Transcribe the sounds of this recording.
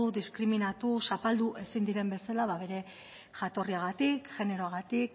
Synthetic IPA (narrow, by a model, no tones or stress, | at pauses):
ud̪iskɾiminat̪usapald̪uʔe̞sind̪iɾe̞mbe̞salaβaβe̞ɾe̞ | ʝat̪o̞riaɣat̪ikʝe̞ne̞ɾo̞aɣat̪ik